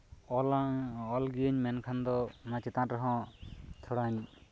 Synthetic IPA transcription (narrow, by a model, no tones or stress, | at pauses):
ɔlɔlɡiəɲmɛnkʰand̪ɔnãt͡ʃɛt̪ãɾɔɦɔ̃t̪ʰɔɽaɲ